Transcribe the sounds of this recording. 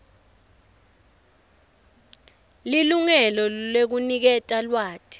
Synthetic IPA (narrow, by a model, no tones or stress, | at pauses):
liluŋɛlɔlek̬unik̬ɛtʼalwaːtʰʼi̥